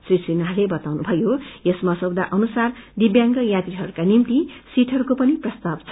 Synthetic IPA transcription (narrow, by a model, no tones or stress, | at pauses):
srisinaɦlebʌt̪awnubʱʌjojesmasʌbd̪aʔʌnusard̪ibjãŋɡʌjat̪riɦʌɾukanimt̪isiʈʰʌɾukopʌniprʌst̪abt͡sʰ